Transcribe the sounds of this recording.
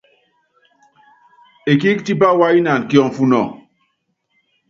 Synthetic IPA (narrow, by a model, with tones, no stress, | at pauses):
e˨ki˦kti˦p̬a˦wa˦i˦na˨n˨ki˦ɔ˨ŋ˨fu˦nɔ̰˨ŋ